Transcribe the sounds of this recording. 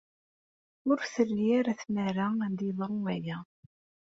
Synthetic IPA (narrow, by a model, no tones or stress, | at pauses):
ʊɾθəlːiæɾæθnæɾaænd̪iðˤəʁwæjæ